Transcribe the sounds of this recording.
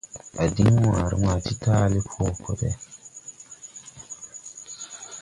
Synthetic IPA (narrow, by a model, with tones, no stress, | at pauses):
a˨di˦ŋwa˨ɾḭ˦ma˨ti˦taː˦li˦pʰo˦˨ko˦tḛ˦